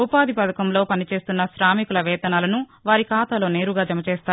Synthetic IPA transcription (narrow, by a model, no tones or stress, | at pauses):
upaːd̪ipɐd̪ɐkɐmlo̞ːpɐnit͡ʃe̞ːst̪unːɐʃɾaːmikulɐʋɛːt̪ɐnaːlɐnuʋaːɾikaːt̪aːlo̞ːne̞ːɾuɡaːd͡ʒɐmɐt͡ʃɛːst̪aː